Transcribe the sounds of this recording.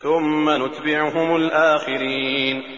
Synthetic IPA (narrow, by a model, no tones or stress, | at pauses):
θʊmːanʊt̪bɪʕʊɦʊmʊlʔaːxɪɾin